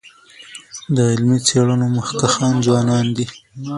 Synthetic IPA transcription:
d̪əɪlmit͡seɽənoməxkaxɑnzwɑnɑnd̪i

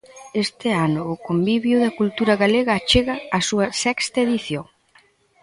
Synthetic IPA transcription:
est̪ɪanʊːkombiβjʊðɐkult̪uɾɐɣaleɣɐːt͡ʃeɣɐːsuɐsɛkst̪ɐeðiθjoŋ

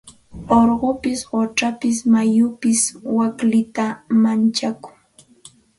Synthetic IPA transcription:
oɾɢopɪsɢoʈ͡ʂapɪs̬majʊpɪswaklɪt̪amant͡ʃakʊ̥ŋ

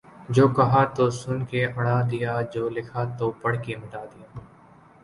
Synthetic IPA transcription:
d͡ʒoːkɐɦaːt̪osʊnkeʔɐɽ̃aːd̪ɪjaːd͡ʒoːlɪkʰat̪oːpɐɽ̤kemɐʈaːd̪ɪjaː

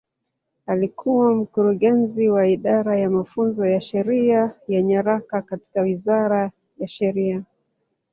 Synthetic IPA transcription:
alikʰuwam̩kuɾuɠɛnziwaiɗaɾajamafunzɔjaʃɛɾiajaɲaɾakakati̥kawizaɾa | jaʃɛɾia

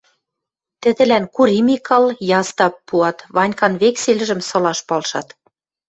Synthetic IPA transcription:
t̪ɘ̆d̪ɘ̆lænkuɾimikɑljɑst̪ɑpːuɑt̪βɑnʲkɑnβekselɘ̆ʒɘ̆msɤ̆lɑʃpɑlʃɑ̰t̪

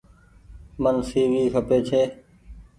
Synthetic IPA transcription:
mənsiːʋiːkʰəpeːt͡ʃʰeː

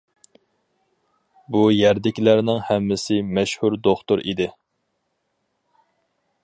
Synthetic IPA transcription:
bujɛɾd̪ɪkʲlæɾnɪŋhɛmːɪsɪmɛʃhuɾd̪oχt̪ʊɾʔḭd̪ɪ

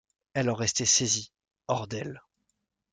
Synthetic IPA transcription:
ɛlɔ̃ʁɛst̪esezi | ɔʁd̪ɛl

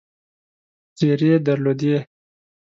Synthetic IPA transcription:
t͡seɾed̪ɐɾlod̪e

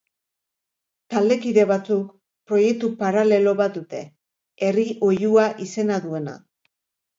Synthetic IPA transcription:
t̪ald̪e̞kiðe̞βat͡suk | pɾo̞je̞k̚t̪upaɾale̞lo̞βat̪̚d̪ut̪e̞ | eriʔo̞juaʔise̞naðue̞na̰

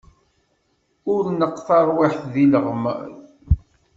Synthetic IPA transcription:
ʊɾnəqːθɑɾˤwiħθðiləʁma̰

